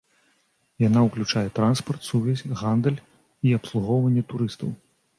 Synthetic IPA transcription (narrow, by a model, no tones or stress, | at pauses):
janauklʲut͡ʂajɛt̪ɾanspɐrt̪suvʲɛsʲɣand̪ɛlʲ | iɐpslˠuɣɔwvɐnʲːɛt̪uɾɨst̪ɐw